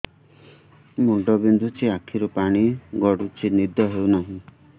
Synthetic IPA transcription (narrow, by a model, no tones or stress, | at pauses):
muɳɖɔbind̪ʱut͡ʃiakʰiɾɔpaɽ̃iɡɔɽut͡ʃʰinid̪ʱjɔɦewnaɦĩ